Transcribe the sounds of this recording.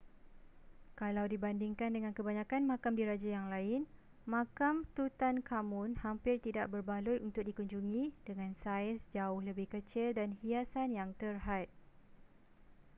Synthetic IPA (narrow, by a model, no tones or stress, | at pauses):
kalawdibandiŋkandəŋãnkəbaɲãkanmãkamdiɾad͡ʒajaŋlaɪn | mãkamt̪ut̪ankamũnhampɪrt̪idaʔ̚bərbalʊjunt̪ʊk̚dikuɲd͡ʒuŋĩdəŋãnsaɪsd͡ʒaʊhləbɪhkət͡ʃɪldanhiasanjaŋt̪ərɦat̪̚